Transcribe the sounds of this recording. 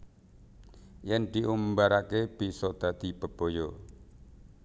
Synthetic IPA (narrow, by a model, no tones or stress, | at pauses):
jɛnd̪̥iʔumbaɾakeb̥isɔd̪̥ä̤d̪̥ib̥ə̤b̥o̤jɔ